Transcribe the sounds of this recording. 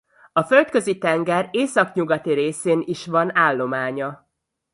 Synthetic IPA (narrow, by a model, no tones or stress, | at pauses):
ɒfø̞lt̪kø̞zit̪ɛŋɡɛreːsɒkɲuɡɒt̪iɾeːseːniʃʋɒnaːlːo̞maːɲɒ